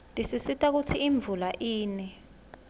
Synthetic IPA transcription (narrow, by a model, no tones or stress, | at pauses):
ndʱisisitʰʼak̬utʰiːɱb̪vulaʔiːnɛ